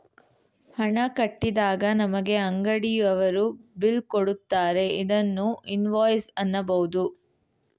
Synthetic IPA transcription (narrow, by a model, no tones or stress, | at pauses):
hɐɳɐkɐʈːid̪aːɡɐnɐmɐɡe̞ɐŋɡɐɽijɐʋɐɾubilkoɽut̪ːaːɾe̞id̪ɐnːuinʋaːjsɐnːɐbɐɦud̪u